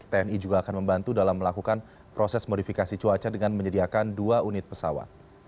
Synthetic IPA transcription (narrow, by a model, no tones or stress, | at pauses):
t̪eɛnid͡ʒuɡaːkanməmbant̪udalamːəlakukan | pɾosɛsmodifikasit͡ʃuat͡ʃadəŋanməɲədiakanduaʔunɪt̪̚pəsawa̰t̪̚